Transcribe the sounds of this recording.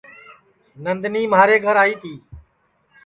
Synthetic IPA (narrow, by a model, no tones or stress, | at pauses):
nənd̪niːmaːɾeːɡʱəɾaːiːt̪ʰiː